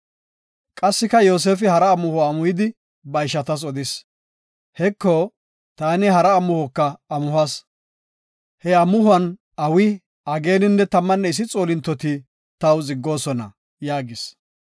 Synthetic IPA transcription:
kʼɐsːɪkɐjo̞ːs̬eːfɪhɐɾɐːmːʊhɔɐmʊjɪd̪ɪ | bɐɪʃɐt̪ɐs̬ɔd̪ɪs | hɛkːo | t̪aːnɪhɐɾɐːmʊhɔkːɐɐmʊhɐs | hɛɐmːʊhʊɐn | ɐwɪ | ɐɡe̞ːnɪnːɛt̪ɐmːɐnːɛɪs̬ɪt͡sʼo̞ːlɪnt̪ːɔt̪ɪ | t̪ɐwzɪɡːo̞ːsɔnɐ̰ | jaːɡɪs

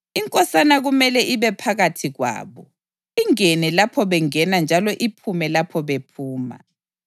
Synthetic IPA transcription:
iŋkʼɔsanaɣumɛlɛʔiβɛpʰaɣatʰiɣwa̰ːβɔ | iŋenɛlapʰɔβɛŋɛnand͡ʒʱalɔʔipʰumɛlapʰɔβepʰuːma̰

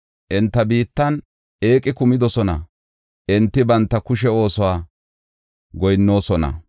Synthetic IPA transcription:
ʔɪnt̪ːɐbiːt̪ːɐn | e̞ːkʼːɪkʊmɪd̪ɔsɔnɐ̰ | ʔɪnt̪ːɪbɐnt̪ːɐkʊʃ̬ɛo̞ːsɔwaː | ɡɔjnːo̞ːsɔnɐ̰

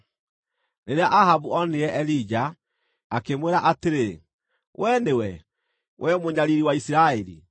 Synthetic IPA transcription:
neɾeaʔahaβuɔneɛʔɛlid͡ʒa | akemweɾaʔateɾe | wʔɛnewɛ | wʔɛmoɲaɾiɾiwaisiɾaeɾḭ

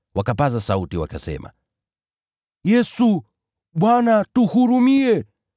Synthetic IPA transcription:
wakapazasautiwakasɛ̰ma̰ | jɛsu | ɓwanatuhuɾumiɛ

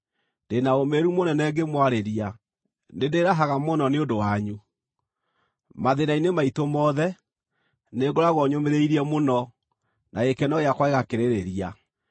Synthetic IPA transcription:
ndenaomeɾumonɛnɛːɡemwaɾeɾia | nedeɾaɦaɣamonɔneodowaɲu | maðenainemaitomɔːðɛ | neɡoɾaɣwɔɲomeɾeiɾiɛmonɔ | nʔaekɛnɔjakwaeɣakeɾeɾeɾia

